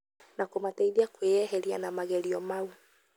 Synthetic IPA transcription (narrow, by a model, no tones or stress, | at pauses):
nakomatɛiðiakwejɛɦeɾianamaɣɛɾiɔmau